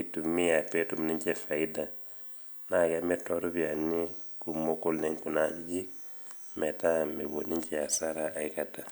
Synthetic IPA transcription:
itumi˦ja˨pe˦tu˨m˨ni˦ɲt͡ʃefa˨ida | na˨ɡameto˦ɾubia˨nːiku˨mo˦ko˦lne˦ŋku˨naɟi˦ɟi˦k | me˨tame˨ɡo˨ni˦ɲt͡ʃɛa˨saɾaa˨ikata˨

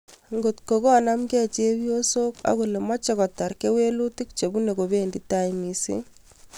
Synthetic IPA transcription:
ŋɡo˨tko˨ɡɔ˦na˦mɡɛ˦t͡ʃe˦wi˦o˦so˦ka̰˦ɣo˨le˨ma˦t͡ʃɛ˦kɔ˨ta˨ɾke˦we˦lu˦ti˦k̚t͡ʃe˨bu˦ne˨ɡo˨be˦˨ndi˦ta˦i˨mi˨sḛ˦

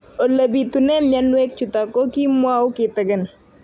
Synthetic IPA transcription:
o˨la˨bi˨t̪unɛ˦mja˦nwe˦k̚t͡ʃʊ˨t̪a˨ko˦ki˦mwa˦ʊ˦kɪ˨t̪ə˨ɡə˨n

